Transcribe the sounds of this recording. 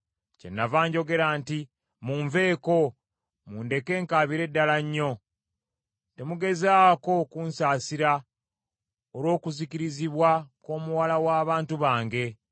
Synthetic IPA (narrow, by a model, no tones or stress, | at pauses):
ce̞̰nːavaːɲɟo̞ɡe̞ɾaːnti | muːɱve̞ːko̞ | muːnde̞ke̞ːŋkaːβiɾe̞dːalaɲːo̞ | te̞muɡe̞zaːko̞kuːnsaːsiɾa | oɾwo̞ːkuziciɾiziβwako̞ːmuwalawaːβaːntuβaːŋɡe̞